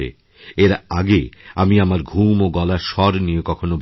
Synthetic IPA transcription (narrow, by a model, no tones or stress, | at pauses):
ḛ | eɾaɡeamiamaɾɡʱumoɡɔlaʃɔɾniekɔkʰonobʱ